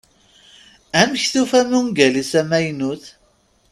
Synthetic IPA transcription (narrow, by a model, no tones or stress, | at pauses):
æmçθufæmuŋɡælisæmæjnuθ